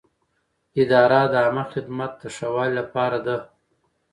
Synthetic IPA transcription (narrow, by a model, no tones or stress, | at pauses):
ɪd̪ɑːɾad̪əamaxɪd̪mat̪̚d̪əʂawɑllapɑːɾad̪a